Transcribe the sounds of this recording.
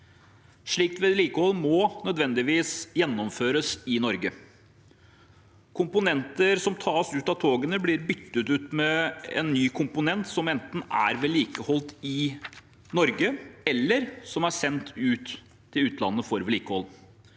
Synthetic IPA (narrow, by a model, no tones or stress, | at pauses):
ʂɭiːk̚t̪ʋɛliːkəhɔlmɔnœd̪ʋɛnd̪ɪʋiːsjɛnːɔmføːɾəsɪnɔɾɡə | kʰʊmpʊnɛnt̪əɾsɔmt̪ʰɑːsʉːt̪ɑt̪ʰoːɡənəblɪɾbʏt̪ːət̪ʉːt̪mɛɛ̰nːyːkʰʊmpʊnɛnt̪sɔmɛnt̪n̩æ̰ɾʋeːliːkəhɔlt̪ɪ | nɔɾɡəɛlːəɾsɔmæsɛnt̪ʰʉːt̪ʰː | ɪlʉːt̪ʰlɑ̰nːəfɔɾʋliːkəhɔl